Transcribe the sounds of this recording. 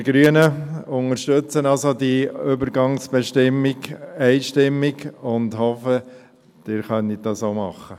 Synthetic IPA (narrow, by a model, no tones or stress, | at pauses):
ɡɾyənəʊŋəɾʃtøt͡sənɑlsodiʏbəɾɡɑŋsb̥ɛʃtɪmːiɡɛɪʃtɪmːiɡʊndhɔfə | d̥ɪɾχœnidɑsoːmɑχːə